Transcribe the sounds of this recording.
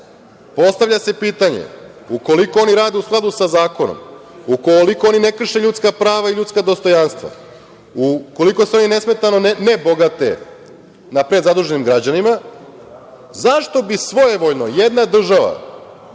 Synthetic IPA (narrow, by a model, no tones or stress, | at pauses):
po̞st̪aʋʎʲase̞piːt̪aɲḛuko̞liko̞oniɾaːd̪eusklˠad̪usazaːko̞no̰mukoliko̞o̞ninekr̩ʃe̞ʎut̪skapɾaːʋaiʎut̪skad̪o̞st̪o̞janst̪ʋa̰ | uko̞liko̞seo̞nine̞sme̞t̪ano̞nebo̞ɡat̪ḛ | napɾe̞d̪zad̪uʒe̞nimɡɾad͡ʑanima | zaʃt̪obisʋo̞jeʋo̞ːjno̞jed̪nad̪r̩ʒaʋa̰